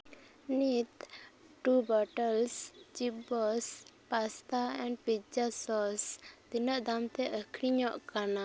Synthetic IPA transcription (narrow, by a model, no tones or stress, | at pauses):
nit̪ | ʈubɔʈəlst͡ʃibɔspast̪aɛ̃ɳɖpid͡ʒasɔst̪inəʔd̪amt̪ɛʔəkʰɽiɲɔʔkana